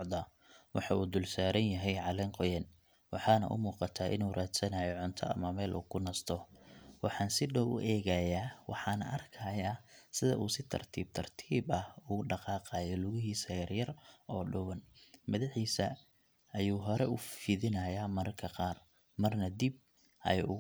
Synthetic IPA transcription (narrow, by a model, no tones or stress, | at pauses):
ʕd̪ɐ | wʔɑħɑuːd̪ʊlsaːɾɐnjɐɦɛjʕɑlɛŋqɔjɛːn | wɑħɑːnɐ̰ʔʊ̰muːqɑt̪ʰaːʔɪ̰nuːɾaːd̪sɐnɐjɔʕʊnt̪ʰɔ̰ɐ̰mɐmɛːlʔṵːkʰʊnɐst̪ʰɔwɑħɑːnsɪɖɐwʔʊ̰ʔɛːɣɐjaːwɑ̰ħɑːnɐ̰ʔɐrkʰɐjaːsɪðɐ̰ʔuːsɪt̪ʰɐ̰rt̪ʰiːb̚t̪ʰɐrt̪ʰiːbɐhuːɖɑqɑːqɑːjɔlʊɣɪɦiːsɐjɐrjɐrɔːɖʊwɐnmɐðɪħiːsɐ | ɐjuːɦɔɾɛʊfɪðɪnɐjaːmɐkʰɐqɑːr | mɐrnɐd̪ib̚ | ʔɐ̰j